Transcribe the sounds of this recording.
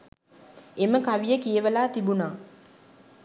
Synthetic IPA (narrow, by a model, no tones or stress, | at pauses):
eməkaʋijəkijəʋəlaːt̪ibunaː